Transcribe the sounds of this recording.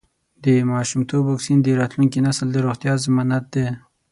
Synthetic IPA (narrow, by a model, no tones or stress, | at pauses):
d̪əmɑʃumt̪ʰobwɑksind̪əɾɑt̪lunk̬inasəld̪əɾoxt̪jɑzəmɑnat̪̚d̪e